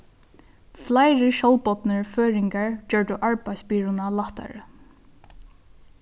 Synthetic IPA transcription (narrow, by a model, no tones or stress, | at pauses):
flajɹɪʃɔwlpɔt̪nəɹføːɹɪŋkaɹt͡ɕœːɹʈʊʔaɹpajspiːɹʊnalaht̪a̰ɹ̰